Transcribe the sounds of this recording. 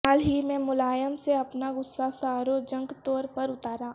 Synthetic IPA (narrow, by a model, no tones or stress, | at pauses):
aːlɦimẽmʊlaːjəmseɐpnaɡʊsːasaːɾod͡ʒə̃ŋɡt̪ɔːɾpɐɾʊt̪aːɾaː